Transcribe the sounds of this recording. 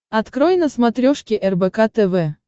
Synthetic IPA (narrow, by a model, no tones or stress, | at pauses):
ɐt̪kɾojnəsmat̪ɾʲɔʂkʲiʔɛrbɛkat̪ɛvɛ